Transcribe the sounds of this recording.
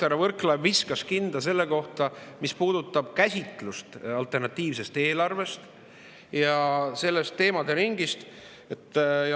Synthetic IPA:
eɾɑvɤrklɑbviskɑskind̪̥ɑse̞lːe̞ko̞ht̪ɑmispuːd̪̥ut̪ˑːɑb̥̚kæsʲit̪ˑlust̪ɑlt̪ˑe̞rnɑt̪ːˑiːvse̞st̪e̞ːlɑrve̞st̪ | jɑse̞lːe̞st̪ːe̞ːmɑd̪eɾiŋɡist̪ | et̪ːjɑ

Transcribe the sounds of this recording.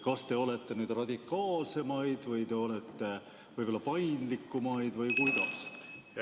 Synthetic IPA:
kɑst̪e̞o̞le̞t̪ːe̞nyːd̪̥rɑd̪ikːˑɑːlse̞mɑjd̪̥vɤjt̪e̞o̞le̞t̪ːe̞ | vɤɯjb̥olːɑpɑjnd̪likːˑumɑjd̪̥vɤjkujd̪̥ɑs

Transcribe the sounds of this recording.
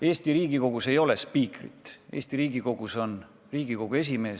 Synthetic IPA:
e̞ːst̪iɾiːɡ̥iko̞ɡ̥use̞jo̞le̞spiːkrḭt̪ːˑe̞̰ːsʲt̪iɾiːɡiko̞ɡ̥uso̞n | riːɡ̥iko̞ɡ̥ue̞s̬ime̞ː

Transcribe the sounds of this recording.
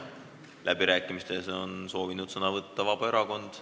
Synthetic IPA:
lʔæbiɾæːkːˑimist̪e̞so̞nso̞ːvinud̪̥sɤnɑvɤt̪ːɑvɑb̥ɑe̞ɾɑko̞nd̪̥

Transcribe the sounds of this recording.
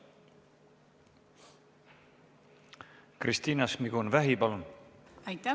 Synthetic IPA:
krist̪iːnɑsmiɡunvæɦipɑlunæjt̪ːɑ

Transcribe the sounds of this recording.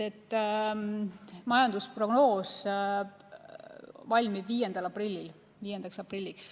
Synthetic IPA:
et̪ˑː | mɑjɑnd̪uspro̞ɡ̥no̞ːs | vɑlʲmibviːjend̪̥ɑlɑprilʲːil | viːjend̪ɑksɑprilʲːiks

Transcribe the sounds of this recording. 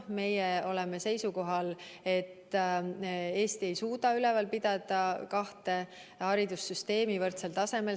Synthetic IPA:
me̞jeo̞lɛme̞se̞jsuko̞ɦɑle̞t̪ː | e̞ːst̪ie̞jsuːd̪ɑylɛvɑlpid̪̥ɑd̪̥ɑkɑht̪e̞ | hɑɾid̪̥usːyst̪e̞ːmivɤrt̪selt̪ɑse̞me̞l

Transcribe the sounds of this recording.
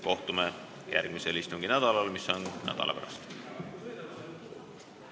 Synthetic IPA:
ko̞ht̪ume | jʔæ̰rɡ̥miselist̪uŋɡ̥inæd̪̥ɑlɑlmisːonnæ̰d̪̥ɑ̰lɑ̰pæ̰ɾɑ̰st̪

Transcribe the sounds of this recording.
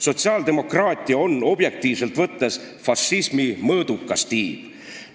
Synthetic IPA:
so̞t̪siɑːld̪̥e̞mo̞krɑːt̪ʲˑiɑo̞nːo̞b̥je̞k̚t̪iːvse̞lt̪ˑvɤt̪ːes | fɑsːismimɤːd̪̥ukːˑɑst̪iːb̥

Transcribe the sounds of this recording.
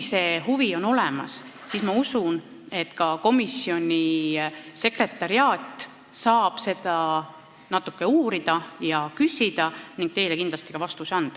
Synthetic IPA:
se̞ːhuvio̞no̞lemɑs | sismɑusun | e̞t̪kɑko̞misio̞nʲi | se̞kre̞t̪ːˑɑɾiɑːt̪ːˑ | sɑːb̥se̞d̪̥ɑ | nɑt̪ːˑukːe̞uːɾid̪̥ɑjɑkysʲid̪̥ɑniŋɡ̥t̪e̞jle̞kind̪lɑst̪i̥kɑvɑst̪usɑnd̪̥ɑ

